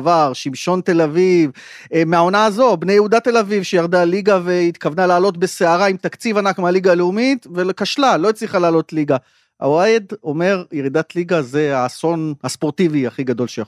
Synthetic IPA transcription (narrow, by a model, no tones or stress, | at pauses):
vaʁʃimʃo̞nt̪e̞laviv | meao̞naːzo̞bne̞jehud̪at̪e̞lavivʃejaʁd̪aliɡave̞it̪kavnalaːlo̞t̪be̞seaʁaimt̪akt͡sivanakmealiɡaːleumitvelekaʃlalo̞it͡sliχalaːlo̞t̪liɡa | a̰wajed̪o̞me̞ʁjeʁid̪at̪liɡaze̞aso̞nhaspo̞ʁt̪iviaχiɡad̪o̞lʃeja